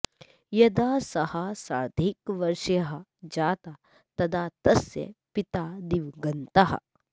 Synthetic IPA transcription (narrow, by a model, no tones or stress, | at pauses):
jɐd̪aːsɐhɐsaːɾd̪ʱikʋɐɾʂjɐɦɐd͡ʒaːt̪a | t̪ɐd̪ʰaːt̪ɐsjɐ̰pit̪aːd̪iʋɡɐnt̪ɐɦɐ̰